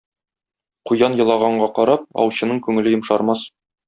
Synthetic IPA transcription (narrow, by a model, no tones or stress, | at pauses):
qujɑnjɤ̆lˠɑʁɑɴɢɑqɒɾɑp̚ɒ̰wɕɤ̆nɤɴkʉŋɘ̆lɘjɤ̆mʃɑɾmɑs